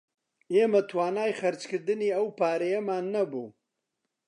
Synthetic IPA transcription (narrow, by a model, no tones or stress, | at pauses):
ʔeːmɐt̪ʰwaːnaːjχɐɾt͡ʃkɨɾd̪ɨniːɐwpʰaːɾɐjɐmaːnːɐbuː